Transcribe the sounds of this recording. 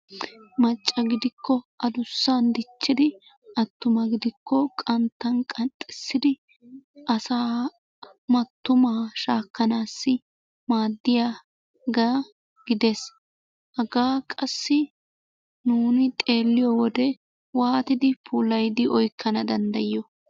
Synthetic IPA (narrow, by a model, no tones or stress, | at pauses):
mɐt͡ʃʼːɐɡɪd̪ɪkːɔʔɐd̪ʊsːand̪ɪt͡ʃːɪd̪ɪ | ɐt̪ːʊmɐɡɪd̪ɪkːɔkʼɐnt̪ːɐnkʼɐnt̪ʼːɪsːɪd̪ɪ | ʔɐsaː | mɐt̪ːʊmaːʃaːkːɐnaːsːɪ | maːd̪ːɪja | ɡa | ɡ̥ɪd̪es | hɐɡaːkʼɐsːɪ | nuːnɪt̪ʼe̞ːlːɪjɔwɔd̪ɛ | waːt̪ɪd̪ɪpʰuːlɐjd̪ɪʔɔjkːɐnɐd̪ɐnd̪ɐjɔ